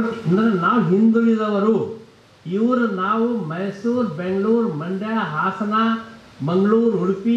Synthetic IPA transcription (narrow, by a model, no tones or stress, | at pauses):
ɐnd̪ɐɾenaːʋuɦind̪ulid̪ɐʋɐɾu | iʋɐɾunaːʋumɐjsuːɾbeŋɡɐɭuːɾmɐɳɖɐjaɦaːsɐna | mɐŋɡɐɭuːɾuɽipi